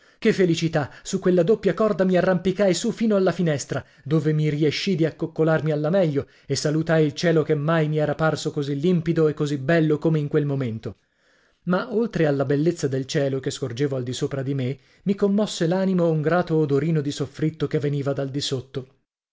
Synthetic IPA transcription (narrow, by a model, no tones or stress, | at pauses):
k̟efːelit͡ʃit̪asukːwelːad̪opːjakɔrd̪amiarːampikajsufiːnoalːafinɛst̪ɾa | d̪oːvemirieʃːid̪iakːokːolarmialːamɛʎːo | esːalut̪ajilt͡ʃɛːlokemːajmiɛːɾaparsokozilːimpid̪oekːozibɛlːokomeiŋkwelmoment̪o | maʔolt̪ɾealːabelːet̪sːad̪elt͡ʃɛːlokeskord͡ʒeːvoald̪isoːpɾad̪ime | mikomːɔsːelaːnimouŋɡɾaːt̪oːd̪oɾiːnod̪isofɾit̪ːokevːeniːvad̪ald̪isot̪ːo